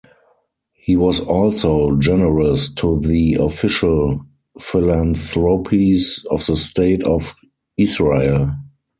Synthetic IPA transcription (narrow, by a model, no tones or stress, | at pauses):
hiːwɔsɔlsoʊd͡ʒɛnəɹəstʰuðiɔfɪʃəl | fɪlãnθɹopʰisɔfðəsteɪtʰɔf | ɪsɹeɪl